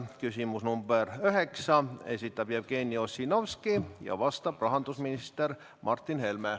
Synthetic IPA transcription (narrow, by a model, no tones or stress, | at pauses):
kysʲimusnumb̥erøɦeksɑesʲit̪ːˑɑb̥jæːb̥̚keːnʲːio̞sʲːinowskijɑ̰vɑst̪ɑbrɑɦɑnd̪̥usminist̪er | mʔɑrt̪ːˑinhe̞lme